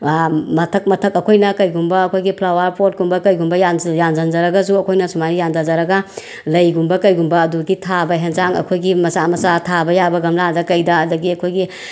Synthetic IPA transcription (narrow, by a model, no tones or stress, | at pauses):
mɐtʰɐk̚mɐtʰɐkɐkʰojnɐkɐjɡumbɐːkʰojɡipʰlawaɾpot̚ɡumbɐkɐjɡumbɐjanjand͡ʒɐnd͡ʒɐɾɐɡɐsuɐkʰojnɐsumaɾijandazaɾɐɡɐ | lɐjɡumbɐkɐjɡumbɐːduɡitʰabɐɦɐnzaŋɐ̰kʰojɡimɐsamɐsatʰabɐjabɐɡɐmladɐkɐjdɐːdɐɡiɐkʰojɡi